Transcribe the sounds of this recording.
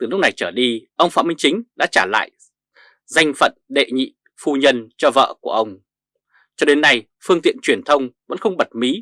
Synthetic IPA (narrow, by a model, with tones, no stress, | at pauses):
t̪ɨ˨˩lʊ˦˥k͡p̚na˨˩jt͡ɕəː˧˩ɗi˧ʔə˧wŋ͡mfa̰ː˧˨mï˧ŋt͡ɕï˨˦ŋ̟ɗa̰ː˧˥t͡ɕaː˧˩la̰ː˧˨j | za˧jŋ̟fə̰˧˨nɗḛ˧˨ɲḭ˧˨ | fu˧ɲə˧nt͡ɕɔ˧və̰ː˧˨ku˧˩əʔə˧wŋ͡m | t͡ɕɔ˧ɗe˨˦nːa˧j | fɨ˧əŋt̪ḭ˧˨ənt͡ɕwi˧˩ənt̪ʰə˧wŋ͡mvə̰˧˥nxə˧wŋ͡mɓə˨˩t̚mi˨˦